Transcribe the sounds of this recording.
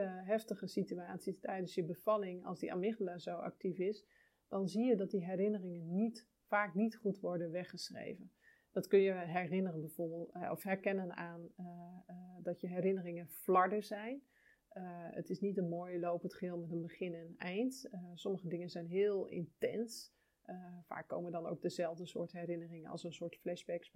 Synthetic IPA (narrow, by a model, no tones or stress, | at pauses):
əɦɛftəχəsityaːtsistɛjdənsjəbəv̥ɑlɪŋɑ̰lˠsdiʔa̰ːmɪχəlazowɑ̰k̚tifɪs | dɑnzijədɑt̚diɦɛrɾɪnərɪŋənːit | faːknitχutʋɔɹdənʋɛχəsrḛjvən | dɑtkɵnjəɦɛrɪnərənbɛjv̥oːɹbɪːlˠtɔfɦɛɹkɛnənaːn | dɑtjəɦɛɾɪnərɪŋənflɑɹdəzɛjn | ə̰tɪsnitənmoːjəlowpəntχəɦɪːlˠmɛtənbəχɪnɛnɛjntsɔməχədɪŋənzɛjnɦɪːlˠɪ̰ntɛ̰ns | fa̰ːkːo̰wməndɑno̰wk̚dəzɛlˠvdəsʊ̰ːɹtɦɛrɪnərɪŋənɑ̰lˠsənsʊːɹtflɛʃbɛk